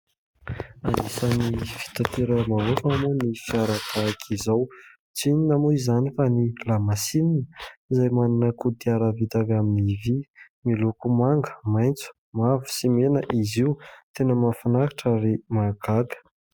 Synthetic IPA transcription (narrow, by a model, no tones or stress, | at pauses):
anisanifi̥t̪at̪ʰeɾəmalofamanifiaɾat̪ʰakʰizaw | t͡sininamuizanifanilamasininəizajmaninəkud̪iaɾəvit̪avaminivi | milukumaŋɡə̥majnt͡su̥ | mavu̥simenəʔiziwt̪enəmafanakḁʈ͡ʂaɾimaɡaɡə̥